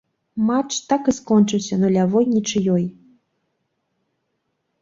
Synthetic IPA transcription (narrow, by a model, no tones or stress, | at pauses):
mat͡ʂt̪akɨskɔnt͡ʂɨwsʲɐnulʲavɔjnʲit͡ʂɨjɔj